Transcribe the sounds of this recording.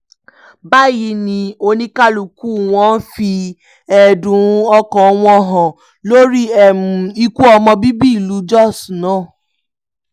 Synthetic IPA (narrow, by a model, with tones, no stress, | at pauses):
ba˦˨ji˧˦nĩ˧o˧nĩ˧ka˦lu˨ku˦˨w̃ɔ̃˦n̩˦fi˧ | ɛ˨dũ˨˦ɔ˧kɔ̃˨˦w̃ɔ̃˧˦ɦɔ̃˨ | lo˦ɾi˦ɛ˦˨ũ˨i˧ku˦ɔ˧mɔ̃˧bi˦bi˦i˨lu˨˦d͡ʒɔ˦˨snãː˨˦˨